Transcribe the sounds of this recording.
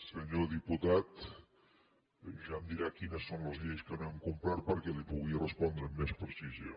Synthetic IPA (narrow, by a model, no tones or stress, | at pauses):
səɲoðiput̪at̪ | ʒamd̪iɾakinəsːonləzʎejskənoemkumpɾaɾpəɾkɛlipuɣiərəspɔnd̪ɾəmːespɾəsizo